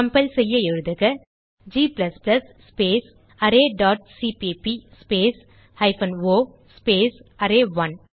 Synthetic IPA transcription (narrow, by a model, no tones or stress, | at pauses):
kɐmpɐlsɛjːɐɪɻɯðɯɣɐ | d͡ʒiːplɐsplɐsːpeːs | ɐɾeːɖaːʈ̚siːpipispeːs | ɐɪfɐnoː | speːsɐɾeːʋɐn